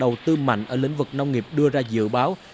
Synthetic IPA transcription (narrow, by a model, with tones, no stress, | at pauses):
ɗə˨˩wt̪ɨ˧ma̰˧˨jŋ̟ʔəː˧˩lḭ˧˥ŋ̟vɨ˨˩k̚na˧wŋ͡mŋi˨˩əp̚ɗɨ˧əzaː˧zɨ̰˧˨ɓaː˨˦w